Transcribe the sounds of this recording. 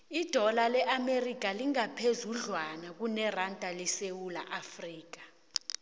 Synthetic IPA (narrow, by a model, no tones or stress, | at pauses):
id̥ʱɔlalɛʔamerik̬ʼaliŋapʰezuɮwanak̬unɛrantʼalisewula̰ʔafriːk̬ḁ